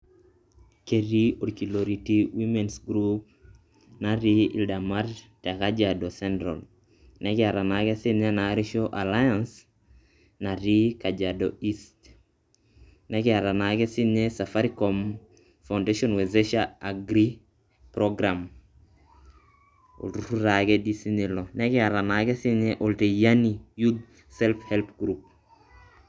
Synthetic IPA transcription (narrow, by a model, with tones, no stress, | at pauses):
ke˨ɾi˦o˨ɾki˨lo˨ɾiti˦wi˦mɛ˨nsɡɾup̚ | na˨ɾi˦ḭ˨lda˨ma˦ɾtɛ˨ka˦d͡ʒado˨sɛ˦ndɾɔ̰˨l | nɛ˦kɪ˦a˨ɾa˨nakɛ˦si˦ɲe˦na˨˦ɾi˦ʃo˦ʔa˨lajans | na˨ɾi˦ka˨d͡ʒadoi˦st | nɛkia˨ɾa˨naɡɛ˦si˦nɛsafaɾikɔm | fa˨wndeʃɔnwezeʃaaɡɾi | pɾoɡɾam | o̰˨ltutu˦ɾaɡɛdisinilɔnɛkɪaɾa˨naɡɛ˦si˦ɲɛʔolte˨janijud | sɛlphɛlpɡɾup̚